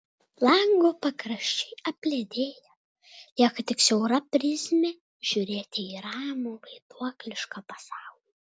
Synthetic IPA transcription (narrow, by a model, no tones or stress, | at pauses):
lˠɐŋɡoːpɐkɾɐʃʲt͡ʃʲɛɪɐpʲlʲeːd̪ʲeːjɛ | jʲɛkɐt̪ʲɪksʲɛʊɾɐpʲɾʲɪzʲmʲe | ʒ̥ʲuːɾʲeːt̪ʲɪiːɾɑːmuʋɐɪd̪uɔklʲɪʃkɑpɐsɑˑʊlʲi